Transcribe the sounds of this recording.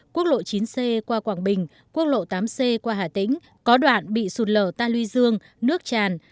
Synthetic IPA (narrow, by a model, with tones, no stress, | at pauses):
ku˦˥ək̚lo̰˧˨t͡ɕi˨˦nse˧kwaː˧kwaː˧˩ŋɓï˨˩ŋ̟ | ku˦˥ək̚lo̰˧˨t̪aː˨˦mse˧kwaː˧ɦaː˧˩t̪ḭ̈˧˥ŋ̟ | kɔ˨˦ɗwa̰ː˧˨nɓḭ˧˨su˨˩t̚ləː˧˩t̪aː˧lwi˧zɨ˧əŋ | nɨ˦˥ək̚t͡ɕaː˨˩n